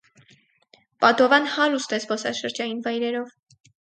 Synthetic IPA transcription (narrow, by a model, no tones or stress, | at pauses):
pɑd̪ɔvɑnhɑɾust̪ɛsbɔsɑʃəɾd͡ʒɑjinvɑjɾɛɾɔv